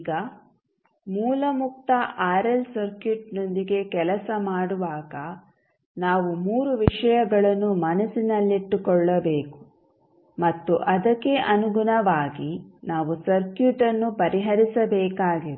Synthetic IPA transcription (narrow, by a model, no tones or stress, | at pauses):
ɡɐ | muːlɐmuk̚t̪ɐaːɾɐlsɐɾkjuʈno̞nd̪iɡe̞kɛlɐsɐmaːɽuʋaːɡɐ | naːʋumuːɾuʋiʂɐjɐɡɐɭɐnːumɐnɐsinɐlːiʈːukɔɭːɐbeːku̥ | mɐt̪ːuʔɐd̪ɐkːe̞ʔɐnuɡunɐʋaːɡinaːʋusɐɾkjuʈɐnːupɐɾiɦɐɾisɐbɛːkaːɡiɾe